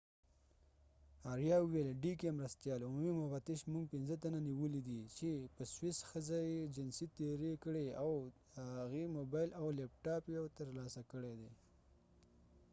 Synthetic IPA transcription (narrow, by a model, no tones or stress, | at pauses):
ɑɾjɑʊwelɖikemɾast̪jɑlʊmumimʊvat̪ɪʃmuŋɡ̚pɪnzət̪ananiwəlid̪it͡ʃepəswɪsxəzajed͡ʒɪnsit̪eɾekəɽeaw | aɣimobɑjlawlepʈɑpjawt̪əɾlɑsakəɽed̪e